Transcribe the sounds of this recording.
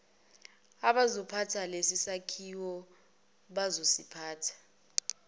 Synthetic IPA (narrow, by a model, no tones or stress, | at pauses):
aɓazɔpʰatʰalesisakʰiwɔ | ɓazosipʰaːtʰḁ